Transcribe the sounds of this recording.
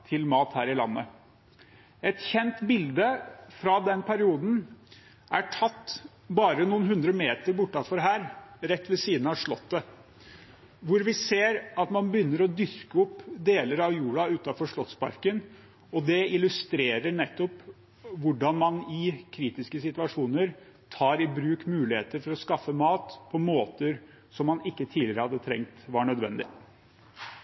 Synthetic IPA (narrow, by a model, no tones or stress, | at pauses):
t̪ʰɪlmɑːt̪hæːɾɪlɑ̰nːə̰ | ɛt̪çɛnt̪bɪld̪əfɾɑd̪ɛnpʰæɾɪuːd̪n̩ | ʔæʈʰɑt̪ː | bɑːɾənuːənɦʉnd̪ɾəmeːt̪əɾbʊʈːɑfɔɾɦæːɾɾɛt̪ːʋɛsiːd̪n̩ɑʂɭɔt̪ːə | ʋʊɾʋɪseːɾɑt̪mɑnbəjʏnːəɾɔd̪ʏskəɔpːd̪eːləɾɑʋjuːɽɑʉːt̪ɑfɔʂɭɔt̪spɑ̰ɾkən | ɔd̪ɛɪlʉst̪ɾeːɾəɳɛt̪ːɔp | ʋʊɖɑnmɑnɪkʰɾiːt̪ɪskəsɪt̪ʉɑʂuːnəɾ | t̪ʰɑːɾɪbɾʉːkmʉːlɪhḛːt̪əɾfɔɾɔskɑfːəmɑːt̪pʰɔmoːt̪əɾ | sɔmːɑnɪkːət̪ʰiːlɪɾəhɑd̪ːət̪ʰɾɛ̰ŋkt̪ʋɑɳœd̪ʋɛ̰nd̪ɪ̰